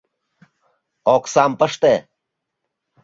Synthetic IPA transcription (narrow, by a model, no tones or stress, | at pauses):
oksampəʂt̪e